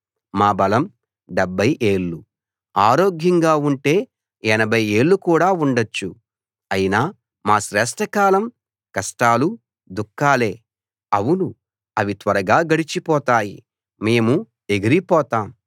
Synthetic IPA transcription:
maːbɐlɐm | ɖɛbʱːɐjʔe̞ːɭːu | aːɾo̞ːɡjɐŋɡaːuɳʈe̞ː | ɛnɐbʱɐje̞ːɭːukuːɽaːuɳɖɐt͡ʃːṵ | ɐjinaː | maːʃɾɛːʂʈɐkaːlɐm | kɐsʈaːlu | d̪ukːaːle̞ː | ɐwunu | ɐʋit̪ʋɐɾɐɡaːɡɐɽit͡ʃipɔːt̪aːjḭ | me̞ːmu | e̞ɡiɾipɔːt̪aːm

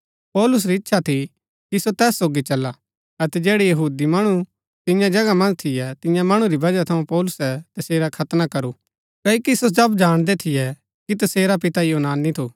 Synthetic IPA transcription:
pɔːlʊs̬ɾiɪtːʃʰat̪ʰi | kisot̪ɛːsːoːɡit͡ʃɐlːa | ɐt̪ɛd͡ʒɛːɽijɐɦuːd̪imɐɽ̃u | t̪ɪ̃jãd͡ʒɐɡamɐ̃nt̪ʰɪjɛt̪ɪ̃jãmɐɽ̃uɾibɐd͡ʒat̪ʰɐũpɔːlʊsɛt̪ɐseːɾakʰɐt̪nakɐɾu | kɐːikisosɐbd͡ʒaːɽ̃d̪ɛt̪ʰɪjɛ | kit̪ɐseːɾapɪt̪ajoːnaːnːit̪ʰoː

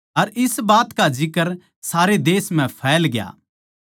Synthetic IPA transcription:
ɐɾɪsbaːt̪kad͡ʒɪkəɾ | saːɾed̪eːsm̤ɛ̃pʰɛːlɡɪja̰ː

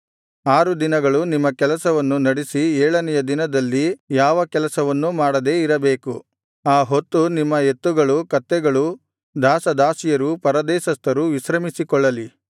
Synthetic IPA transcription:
aːɾud̪inɐɡɐɭunimːɐkɛlɐsɐʋɐnːunɐɽisiɛːɭɐnɛjɐd̪inɐd̪ɐlːijaːʋɐkɛlɐsɐʋɐnːumaːɽɐd̪e̞ːiɾɐbe̞ːku | aːɦo̞t̪ːunimːɐe̞t̪ːuɡɐɭukɐt̪ːɛɡɐɭu | d̪aːsɐd̪aːsijɐɾupɐɾɐd̪ɛːʃɐst̪ɐɾuʋisɾɐmisikɔɭːɐli

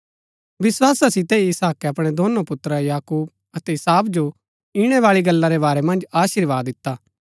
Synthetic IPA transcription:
ʋɪswaːsasɪt̪eiɪsaːkeɐpɽ̃ed̪oːnopʊt̪ːɾəjaːkuːb̚ | ɐt̪ɛɪsaːbd͡ʒo | iɽ̃eʋaːɭiɡɐlːaɾebaːɾɛmɐ̃nd͡ʒaːʃɪɾʋaːd̪ɪt̪ːaː

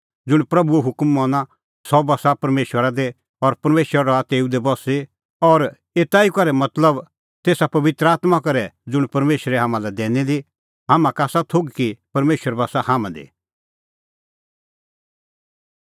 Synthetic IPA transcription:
d͡zʊɽ̃pɾɐbuɛɦʊkmːɔ̃ːna | sɔbɐsapɐɾmeːʃwəɾad̪e | ɔɾpɐɾmeːʃwəɾaɾɔat̪eːud̪ebɔsi | ɔɾ | eːt̪aːikɐɾɛmɐt̪ləb | t̪eːsapɐʋɪt̪ɾəaːt̪makɐɾɛd͡zʊɽ̃pɐɾmeːʃəɾɛɦãːmãlɛd̪ɛːnid̪i | ɦaːmãkaːsat̪ʰoɡkipɐɾmeːʃwəɾbɐsahaːmãd̪ḭ

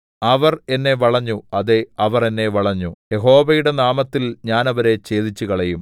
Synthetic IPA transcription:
ɐʋɐre̞nːe̞ʋɐɭɐɲːuɐðeɐʋɐre̞nːe̞ʋɐɭɐɲːuje̞ɦo̞ːʋɐjuɽe̞naːmɐt̪ːilɲaːnɐʋɐɾe̞t͡ɕe̞ːðit͡ɕːukɐɭejum

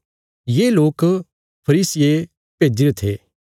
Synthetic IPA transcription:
jeːloːk | pʰɐɾiːsɪje | peːd͡ʒɪɾet̪ʰḛː

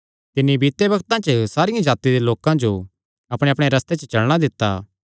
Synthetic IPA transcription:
t̪ɪnːibiːt̪ebɐɡt̪ãt͡ʃəsaːɾɪjãd͡ʒaːt̪id̪eloːkãd͡ʒo | ɐpɽ̃eɐpɽ̃eɾɐst̪et͡ʃət͡ʃɐɭɽ̃ad̪ɪt̪ːa̰ː

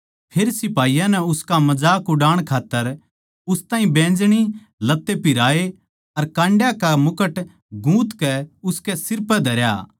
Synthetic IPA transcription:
pʰeːɾsɪpaːijãnɛʊskamɐd͡ʒaːkʊɖaːɽ̃kʰaːt̪ːəɾ | ʊst̪aːĩbẽːd͡ʒɽ̃i | lɐt̪ːepɪɾaːe | ɐɾkãːɳɖjakamʊkəʈ | ɡũːt̪kɛʊskɛsɪɾpɛd̪ʱɐɾja̰

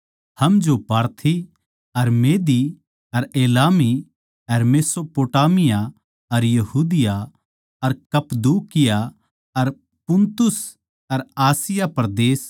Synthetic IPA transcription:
hɐmd͡ʒopaːɾt̪ʰi | ɐɾmeːd̪i | ɐɾeːlaːmi | ɐɾmeːsopoːʈaːmɪja | ɐɾjɐɦuːd̪ɪja | ɐɾkɐpd̪uːkɪja | ɐɾ | pʊnt̪ʊs | ɐɾaːsɪjapɐɾd̪eːs

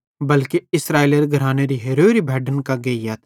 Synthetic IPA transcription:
bɐlkeɪsɾaːiləɾɡʱɐɾaːneɾiɦeɾoːɾibʱɛːɖənkaɡeijat̪ʰ

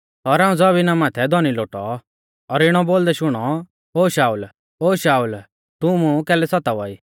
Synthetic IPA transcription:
ɔɾaːũd͡zɔbinamaːt̪ʰɛd̪ʱɔniloːʈɔ | ɔɾɪɽ̃ɔboːld̪ɛʃʊɽ̃ɔ | oːʃaːul | oːʃaːul | t̪ʊmũkɛːlɛsɔt̪aʋɔiː

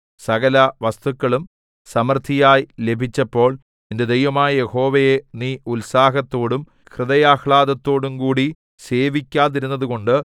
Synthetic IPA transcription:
sɐɣɐlɐʋɐst̪ukːɐɭum | sɐmɐrt̪ʰijaːjile̞bʱit͡ɕːɐpːo̞ːɭ | inde̞d̪ejʋɐmaːjɐje̞ho̞ːʋejeniːulsaːɦɐt̪ːo̞ːɽum | kʰrɨd̪ɐjaːhɭaːðɐt̪ːo̞ːɽumkuːɽi | se̞ːʋikʲːaːðiɾunːɐðuko̞ɳɖɨ

